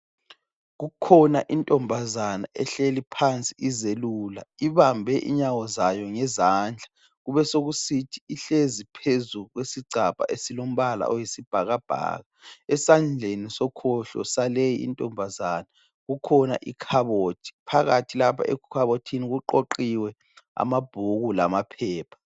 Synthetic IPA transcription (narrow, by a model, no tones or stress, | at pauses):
ɣukʰɔnaʔintʼɔmbʱazana̰ʔɛɬelipʰant͡sʼiʔizeluːla̰iβambʱɛʔḭɲawɔzajɔŋɛzaːnd͡ɮʱa | ɣuβɛsoɣusitʰi̥iɬezipʰezuɣwesiɡ͡ǀʱapʼa̰ʔesilom̩βala̰ʔɔjisib̥ʱaɣab̥ʱa̰ːɣaɛsand͡ɮʱenisɔkʰɔɬɔ̰salejiḭntʼɔmbʱazana | ɣukʰɔna̰ʔḭkʰaβoːtʰi̥pʰaɣatʰilapʰaʔɛkkʰaβotʰiniɣuǃoǃiwɛ | a̰mab̥ʱuɣula̰mapʰɛːpʰḁ